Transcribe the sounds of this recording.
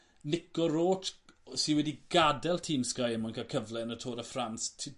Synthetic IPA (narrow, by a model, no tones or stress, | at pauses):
lɪkɔɾoːtsiwɛdiɡ̥adɛlˠtʰiːmskajəmɔnkʰakʰəvlɛənətʰoːdəfranstʰ